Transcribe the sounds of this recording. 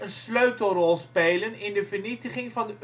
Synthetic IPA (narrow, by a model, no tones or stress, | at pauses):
ənsløɥtl̩ˠrɔlˠspeːlənɪndəvərnitəχɪŋvɑndə